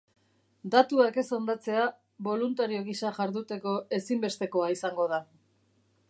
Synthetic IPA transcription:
d̪at̪uake̞so̞nd̪at͡se̞a | βo̞lunt̪aɾio̞ɣ̞isaʝaɾðut̪e̞ko̞e̞simbe̞st̪e̞ko̞aisaŋɡo̞ð̞a

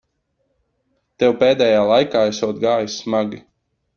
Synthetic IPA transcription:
t̪ɛwpeːd̪ɛːjaːlˠajkaːɛsɔɔt̪ɡaːjusmaɡʲi

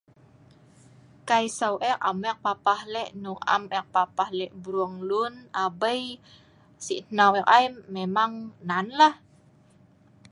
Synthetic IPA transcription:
kajsawʔɛka̰mɛk̚papahlɛʔnuŋa̰mɛk̚papahlɛʔbɾuaŋlunabəj | siʔnawɛk̚ajmːemaŋnanlah

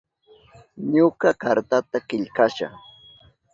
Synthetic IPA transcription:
ɲokakaɾt̪at̪akɪʎkaʃa̰

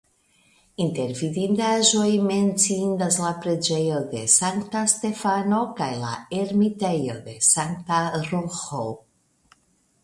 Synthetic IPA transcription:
inte̞ɾvidindaʒo̞jme̞nt͡sindaslapɾe̞d͡ʒe̞jo̞de̞saŋktaste̞fano̞kajla̰eɾmite̞jo̞̰de̞saŋk̚taɾoxo

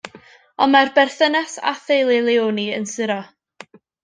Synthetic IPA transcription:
ɔnmarbɛrθənɛsa̰θejlˠɪlˠeoːniənsɪɾɔ

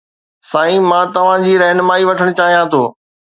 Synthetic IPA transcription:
sãːĩmãːt̪ɐʋ̤ãd͡ʑiːɾɛɦnəmaːiʋɐʈʰəɽ̃t͡ɕaːɦijãt̪ʰoː

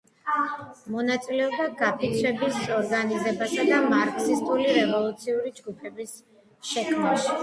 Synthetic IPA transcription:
mɔnat̪sʼilɛɔbd̪aɡapʰik̪sʰɛbisɔɾɡanizɛbasad̪amaɾksist̪ʼuliɾɛvɔlˠut̪sʰiuɾid͡ʒɡupʰɛbis | ʃɛkʰmaʃi̥

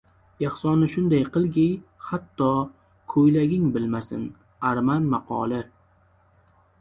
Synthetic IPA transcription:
jɑχsɒnɪʃʊnd̪ajqʰɨlˠɡʲɪjhat̪ʰːɒ | kʰojlaɡʲɪŋbɪlmasɪ̰n | aɾmanmaqʰɒ̰ːlˠɪ

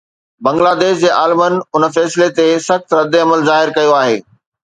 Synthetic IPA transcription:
bɐ̃ŋɡlaːd̪eːʃ̬d͡ʑeːʔaːlɪmənɪ̆ʊnəfɛːsɪlet̪esɐxt̪ɾɐd̪eɐməlzaːɦɪɾkɐjoaːɦḛː

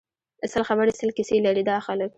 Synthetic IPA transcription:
asəlxabaɾsəlkɪselaɾid̪ɑxalək̚

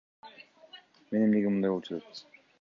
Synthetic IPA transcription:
menemneɡimund̪ɑjwo̞lˠt͡ʃʰuot̪

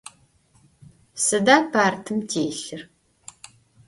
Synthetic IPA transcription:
sɨdaːpʰaːrtʰɨmtʰeːɬɨr

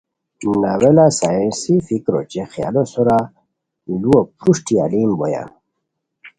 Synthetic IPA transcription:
nawelasajẽnsifikɾo̰t͡ɕexja̰losoɾa | luopɾuʂʈia̰limboja̰

